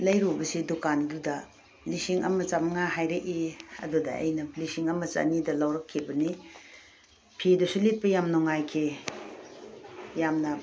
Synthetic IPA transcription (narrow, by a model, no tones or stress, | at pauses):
lɐjɾubɐsidukandudɐ | lisiŋɐ̰mɐt͡ʃamɐŋaɦajɾeʔiɐ̰dudɐɐ̰jnɐlisiŋɐmɐt͡ʃa̰nidɐlawɾɐkʰːibɐni | pʰidusulit̚pɐjamnɔŋajkʰe | jamnɐ